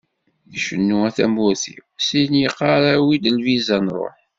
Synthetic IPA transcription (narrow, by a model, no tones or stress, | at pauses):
θʃənːuæθæmʊɾθḭsinjəqːɑɾæwid̪əlvizænɾˤo̰ħ